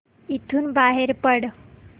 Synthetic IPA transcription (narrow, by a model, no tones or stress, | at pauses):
it̪ʰuːnbaɦeɾpəɽ